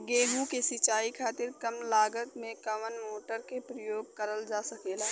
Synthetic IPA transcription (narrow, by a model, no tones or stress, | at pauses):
ɡeːɦũkesɪt͡ʃaːikʰaːt̪ɪɾkəmlaːɡət̪mẽkəmənmoːʈəɾkepɾəjoːɡ̚kəɾəld͡ʒasəkeːla